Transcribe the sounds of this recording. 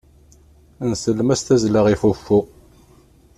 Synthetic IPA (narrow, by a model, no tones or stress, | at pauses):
nsəlːmæst̪æzləʁifufːu